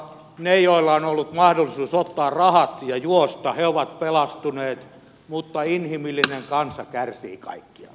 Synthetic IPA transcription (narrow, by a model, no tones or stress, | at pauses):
nejoilːɑonolːut̪mɑhdolːisuːsot̪ːɑːrrɑhɑt̪jɑjuost̪ɑheoʋɑt̪pelɑst̪uneːt̪ | mut̪ːɑinhimilːineŋkɑnsɑkærsḭːkɑ̰ikːiɑ̰